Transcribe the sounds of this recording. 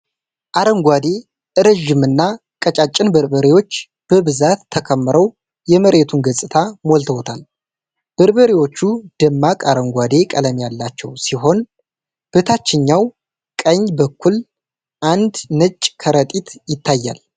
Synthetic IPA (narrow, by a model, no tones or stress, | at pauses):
ʔaɾəŋɡʷad̪e̞ | ʔɨɾəʒːɪmɨnːa | kʼət͡ʃʼat͡ʃʼːɪnbəɾbəɾiwo̞t͡ʃː | b̥əbɨzat̪ʰːəkʰəmːɨɾəw | jɛməɾe̞t̪ʰunɡəsʼɨt̪ʰamolt̪ʰəwt̪ʰal | b̥əɾbəɾiwo̞t͡ʃːud̪̥əmːakʼaɾəŋɡʷad̪e̞kʼələmjalːat͡ʃːɛwsiɦo̞n | b̥ɨt̪ʰat͡ʃːɪɲːaw | kʼəɲbəkːul | ʔand̪nət͡ʃʼːkʰəɾət̪ʼit̪jɪt̪ʰːajːa̰l